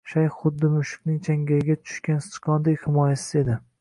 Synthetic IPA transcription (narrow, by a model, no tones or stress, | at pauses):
ʃajχʊd̪ːɪmʊʃɪ̥kʲnɪŋt͡ʃʰaŋɡʲaɾɪɡʲat̪ʰʊ̥ʃkʲanst̪ɪ̥qʰɒnd̪ajhɪmɒjasɪze̞d̪ɪ